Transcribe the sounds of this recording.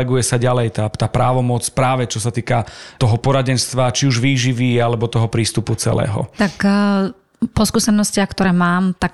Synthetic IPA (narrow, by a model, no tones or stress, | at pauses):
ɛɡujɛsaɟalɛjt̪aːt̪aːpɾaːʋɔmɔt͡spɾaːʋɛt͡ʃɔsat̪iːkat̪ɔɦɔpɔɾaɟɛnst̪ʋat͡ʃiuʒʋiːʒiʋialɛbɔt̪ɔɦɔpɾiːst̪uput͡sɛ̰lɛ̰ːɦɔ̰t̪ak | pɔskuːsɛnɔscɪaxkt̪ɔɾɛːmaːmt̪ak